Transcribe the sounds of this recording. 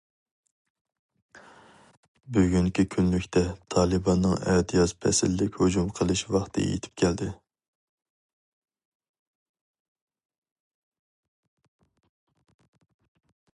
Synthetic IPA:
byɡʲyŋkʲikʲʰynlykʲt̪ʰɛt̪ʰɑːlˠɨbɑnːɨŋɛd̪ijɑspʰɛ̰sɪlːɪkʲhod͡ʒumqʰəlˠɨʃwɑχt̪ʰɨ̰jḛt̪ʰɪ̥p̚kʲʰɛld̪ɪ

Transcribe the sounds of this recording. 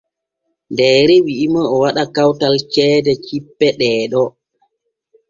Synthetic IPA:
ndɛːɾɛwiʔimaɔwaɗakawtalt͡ʃɛːdɛt͡ʃipːɛɗɛːɗɔ

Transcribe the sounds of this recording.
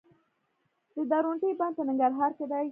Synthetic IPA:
d̪̥əd̪aɾoɳʈijbɑn̚pənɪŋɡaɾɦɑɾked̪aj

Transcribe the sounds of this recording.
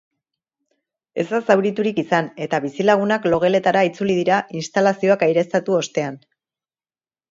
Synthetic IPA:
e̞̰zd̪asawɾit̪uɾikisane̞t̪aβisilaɣ̞unaklo̞ɣ̞e̞le̞t̪aɾait͡sulið̞iɾainst̪alasio̞akajɾe̞st̪at̪uo̞st̪e̞an

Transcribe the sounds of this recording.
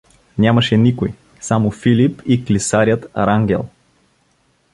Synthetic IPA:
nʲamɐʃɛnikoj | samofilipiklisaɾʲjət̪ɾaŋɡʲɛ̰lˠ

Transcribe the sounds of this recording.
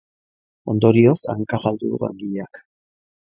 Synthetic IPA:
o̞nd̪o̞ɾio̞sa̰ŋkaɣald̪uðṵɣa̰ŋɡiʎeak

